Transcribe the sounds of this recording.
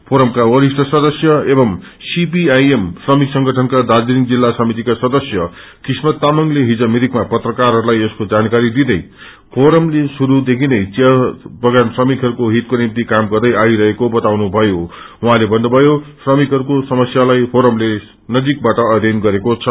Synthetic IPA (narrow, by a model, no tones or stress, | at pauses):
pʰoɾʌmkawʌɾisʈʰʌsʌd̪ʌsjʌebʌm | sipiajemsrʌmiksʌŋɡʱʌʈʰʌnkad̪ad͡ziɾiŋd͡zilːasʌmit̪ikasʌd̪ʌsjʌ | krismʌt̪ːamʌŋleɦid͡zʌmiɾikmapʌt̪rʌkarɦʌɾulajeskod͡zankaɾid̪id̪ʌj | pʰoɾʌmlesuɾud̪ekʰinʌjt͡sʌbʌɡansrʌmikɦʌɾukoɦit̪̚konimt̪ikamɡʌrd̪ʌjaiɾʌɦekobʌt̪awnubʱʌjowɦãlebʱʌnːʌbʱʌjosrʌmikɦʌɾukosʌmʌsjalajpʰoɾʌmle | nʌd͡zik̚baʈʌʌd̪enɡʌɾekot͡sʰʌ